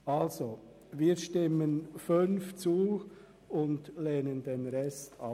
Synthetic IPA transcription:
ɑlzo | viːɾʃtɪmənfʏnft͡suː | ʊndleːnəndenɾɛstʰɑ̰

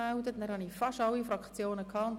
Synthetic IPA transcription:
aʊdətnæːɾhɑnifɑʃɑwifɾɑkt͡sjoːnəkʰɑːʊnt

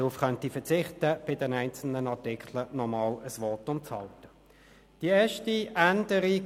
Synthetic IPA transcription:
ʁufχœntifɛɐt͡sɪχtəb̥ɪdɛnæɪnt͡sl̩nənɑʁtɪkʰlənɔmɑːləsʋɔtʊmt͡shɑ̰ltə̥ | d̥iɛːɐʃtiʔændəʁi

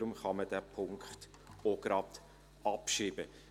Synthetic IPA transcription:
ɾʊmχɑməd̥æːpʰʊŋkχt | oɡ̥ɾɑt | ɑpʃiːbə

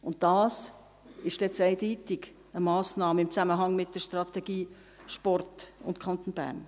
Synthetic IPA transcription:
ʊnt̚d̥ɑːs | ɪʃd̥ɛt͡sɛɪdiːtɪɡ | əmɑːsnɑːməɪmt͡sæməɦɑŋmɪt̚d̥əʃtrɑt̪ɛɡiː | ʃpɔrtʊ̰ntkʰɑnt̪oːnb̥æ̰ːɾn

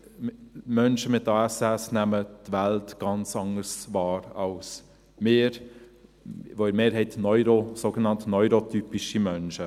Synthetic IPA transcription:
mœnʃəmɪtːɑːɛsɛsnæmətvæltɡ̥ɑnt͡sɑŋəsvɑːɾɑls | mɪːɾ | ʋoɪɾmeːɾhɛɪtnɔʏɾosoːɡənɑntnɔʏɾotypiʃimœnʃə

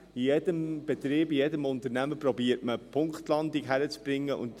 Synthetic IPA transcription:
ijɛdəmb̥ɛt̪ɾiːbijɛdəmʊnt̪ənæməprɔbiːəɾtməpʰʊŋkχtlɑndikɦæɾət͡sb̥ɾɪŋːəʔʊ̰nt

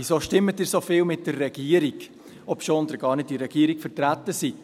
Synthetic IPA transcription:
isoʃtɪmət̚diːɾsofɪːlmɪt̚d̥ərːɛɡ̥iəɾiɡ | ɔpʃoːnd̪əɾɡ̥ɑːɾnɪt̚diɾɛɡ̥iəɾikfəɾtɾætəsi

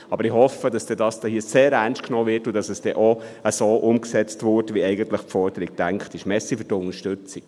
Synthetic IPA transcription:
ɑbəɾɪhɔfəd̥ɑsd̥ɛdɑːsd̥ɛhiːəseːɾænʃtknɔːʋɪrtʊd̥ɑsɛsd̥ɛʔoəsoːʔʊmksɛt͡stʋʊɾtʋiɛɪɡəntləχpfɔɾd̥əɾik̚tæŋkχtɪʃmɛsifydtʊnəʃtʉt͡sik

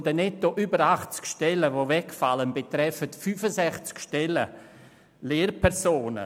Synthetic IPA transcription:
dənɛtːoʔybəɾaχt͡skʃtɛləvovɛkfalənbetɾɛfətfyːfəsɛχt͡skʃtɛlə̰ | leːɾpʰɛɾsoːnə̰

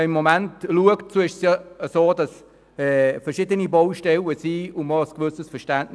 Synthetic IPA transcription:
ɪmːomæntluəktt͡suɪʃsjɑəsoːdɑs | ɛːfəʁʃɪdəniboʊʃtɛləsiːʊmɔəskʋʏsəsfəʃtæntn

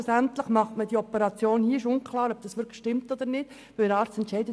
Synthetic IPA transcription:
usænt̪ləχmɑχtməd̥iɔpəɾɑt͡sjoːnhiəɪʃʊnkʰlɑːɾœb̚d̥ɑsʋʏɾkʰlʃtɪmt̪ɔd̪əɾnɪd̥ | ʋɪləɾɑːɾt͡sstɛntʃɛɪdə

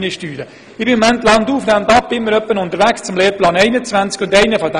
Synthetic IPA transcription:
nəʃtyːdə | ɪbɪmɔmæntlɑnduːfnæmnd̪ɑp̚bɪmməɾœpːənʊnt̪əɾʋækst͡sʊmleːplɑːnɛɪnət͡svænt͡skʊndɛɪnəfɔd

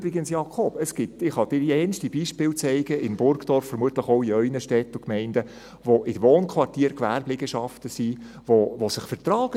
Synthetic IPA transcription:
bɾɪɡənsjɑkʰɔbəsɡ̥ɪtɪχhɑd̥̪ɪɾiɛnʃtibiʃpɪːlt͡sɛɪɡ̥əɪnb̥ʊɾkd̥̪ɔɾfːəɾmuətləχɔʊiœʏnəʃtɛt̪ʊkmɛɪndə | ʋoʔɪdəʋoːnkʰʋɑrtiːəɾkʋæːɾblɪɡ̥əʃɑftəsi | ʋoʋosɪχfəɾtɾɑːɡ̥

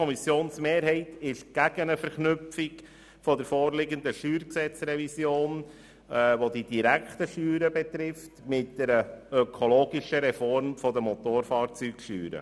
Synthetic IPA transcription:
ɔmisjoːnsmeːɾɦɛɪtɪʃɡ̥æɡ̥ənəfɛɾχnʏpfik | fɔdəɾfoːrlɪɡənd̪əʃyːɾksɛt͡srɛvisjoːn | ɛːʋodid̥iɾækχtəʃyːɾəbɛt̪ɾɪftmɪt̚d̥ɛɾəœkʰoloːɡiʃəɾɛfɔɾmfɔd̪əmɔt̪oːɾfɑːɾt͡syːkʃy̰ːɾə̰

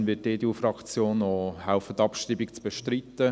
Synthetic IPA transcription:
nvɪt̚ːeːd̪iufrɑkt͡sjoːnohaʊfət̪ɑpʃtibikt͡sb̥ɛʃtɾit̪ːə

